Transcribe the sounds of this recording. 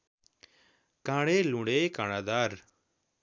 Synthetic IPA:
kãːɽelũɽekaːɽ̃aːd̪aːɾ

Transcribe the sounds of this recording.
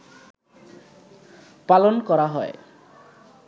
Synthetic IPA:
palonkɔɾaɦɔe

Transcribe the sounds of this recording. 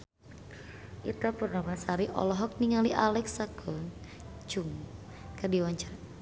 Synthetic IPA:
ʔit̪apərnamasaɾiʔɔ̰lɔɦɔk̚niŋaliʔalɛksakɔ | t͡ʃuŋ | kərdiwaɲt͡ʃaɾa

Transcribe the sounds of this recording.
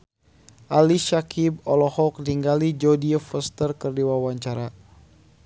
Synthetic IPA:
ʔaliʃakʰibɔlɔhɔk̚diŋɡalid͡ʒodiafəst̪ərkərdiwawaɲt͡ʃaɾa

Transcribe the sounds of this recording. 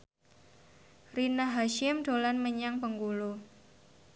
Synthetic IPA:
rinaɦaʃɪmɖ̥olanməɲaŋpəŋkulo

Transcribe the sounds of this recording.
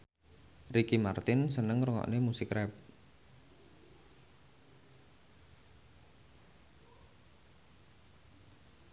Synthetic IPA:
rikimart̪ɪnsənəŋɾuŋɔ̰ʔnemusɪkrɛp̚

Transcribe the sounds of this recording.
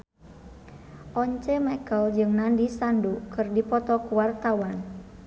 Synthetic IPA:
ʔɔɲt͡ʃɛmɛkəld͡ʒɨŋnandisandukɨrdipɔt̪ɔkuwart̪awan

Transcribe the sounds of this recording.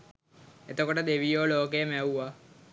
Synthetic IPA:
et̪əkoʈəd̪eʋijoːloːk̬ejəmæuʋa

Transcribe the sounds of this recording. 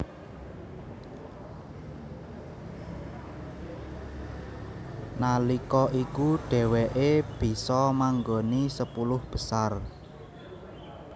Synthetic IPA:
nalikɔʔikuɖ̥ɛ̤wɛʔeb̥i̤sɔmaŋɡonisəpulʊhb̥ə̤sar

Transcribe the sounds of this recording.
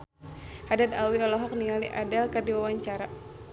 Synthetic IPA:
hadad̪awiɔlɔɦɔk̚nialiʔadalkardiwawaɲt͡ʃaɾa

